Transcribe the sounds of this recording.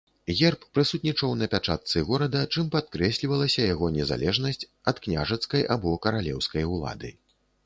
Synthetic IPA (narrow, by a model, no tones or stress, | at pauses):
ɣʲɛrpːɾɨsut̪nʲit͡ʂɐwnɐpʲat͡ʂat̪̚t̪sɨɣɔɾɐd̪ɐt͡ʂɨmpat̪̚kɾɛsʲlʲivɐlˠɐsʲɐjaɣɔnʲɛza̰lʲɛʐnɐsʲt͡sʲɐt̪knʲaʐɐt̪skɐjʔa̰bɔkɐɾalʲɛ̰wskɐjulˠa̰d̪ɨ̰